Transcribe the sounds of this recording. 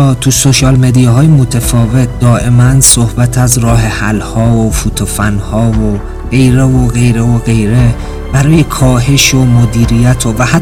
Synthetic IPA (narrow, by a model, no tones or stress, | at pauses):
t̪ʰusoʃɒːlme̞d̪ijɒɦɒːjemot̪ʰefɒːve̞t̪̚ʰd̪ɒːʔe̞mænsohbæt̪ʰæzrɒːɦe̞hælhɒːofuːt̪ʰofænhɒːvo | ɢ̥e̞jɾevoɣe̞jɾevoɣe̞jɾe̞ | b̥æɾɒːjekʰɒːɦe̞ʃomod̪iːɾijæt̪ʰovæh